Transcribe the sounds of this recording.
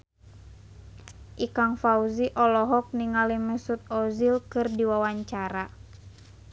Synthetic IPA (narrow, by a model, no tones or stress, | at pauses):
ʔikaŋfauziʔɔlɔɦɔk̚niŋaliməsut̪̚ɔzilkɨrdiwawaɲt͡ʃaɾa